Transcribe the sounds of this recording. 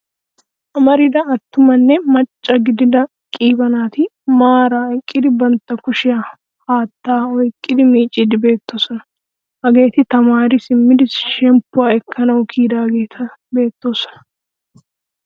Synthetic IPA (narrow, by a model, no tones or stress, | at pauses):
ʔɐmɐɾɪd̪ɐɐt̪ːʊmɐnːɛmɐt͡ʃʼːɐɡɪd̪ɪd̪ɐ | kʼiːbɐnaːt̪ɪ | maːɾaːɪkʼːɪd̪ɪbɐnt̪ːɐkʊʃɪjɐ | haːt̪ːaːɔjkʼːɪd̪ɪmiːt͡ʃʼɪd̪ɪbe̞ːt̪ːoːsɔnɐ | hɐɡe̞ːt̪ɪt̪ɐmaːɾɪsɪmːɪd̪ɪsʃɛmpːʊwaɛkʰːɐnɐwʊkʰiːd̪aːɡeːt̪ʰɐbe̞ːt̪ːo̞ːsɔ̥nɐ